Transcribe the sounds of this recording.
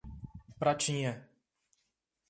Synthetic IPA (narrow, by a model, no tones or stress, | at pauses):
pɾat͡ʃĩɲɛ